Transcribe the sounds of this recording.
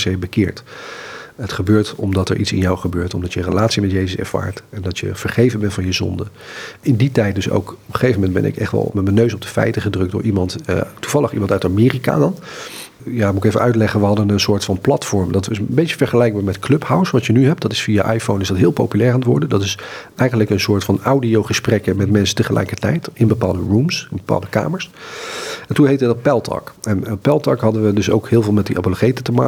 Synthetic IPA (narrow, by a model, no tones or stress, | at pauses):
sejbəkɪːɹt | ɦətχəbøːɹtɔmdɑtɛ̰ɹʔitsɪ̰njawχəbøːɹtɔmdɑtjərəlaːtsimɛtjej̬əsɛ̰ɹv̥a̰ːɹtɛndɑtjə̰v̥əɹχejvənbɛntfɑnjəzɔ̰ndəɪnditɛjt̚dɵso̰wkɔpəχejvəmɛndbɛ̰nɪ̰kɛ̰χtʋɛ̰lˠmɛtmənːøɥsɔb̚dəfɛ̰jtəχədrɵk̚dʊ̰ːɹʔimɑnttuvɑləχḭmɑntœɥtamɪːrika̰dɑn | jaːmuɪkejvəʔœɥtlɛχənʋəɦɑdənənsʊːɹtfɑnplɑtfɔɹmdɑtɪsbejtəvɛɹχəlɛjk̚baːɹmɛtkʰlɵphawsʋɑtjənyɦɛp̚dɑtɪsfijaʔajfownɪzdɑtɦɪːlˠpowpylɛːɹantʋʊ̰ɹdədɑtɪs | ɛjχənləkənsʊːɹtfɑnawdiowχəsprɛkəmɛtmɛnsəntəχəlʔɛ̰jkəɹtɛ̰jtɪnbəpaːlˠdərumsɪnbəpa̰ːlˠdəka̰ːməɹs | ɛntunɦejtədɑt̚pɛlˠtʰɑ̰kɛnpɛlˠtɑkɦɑdənʋədɵso̰wkɦɪːlˠvɪːlˠmɛt̚diʔɑ̰pəloχejtətəmaː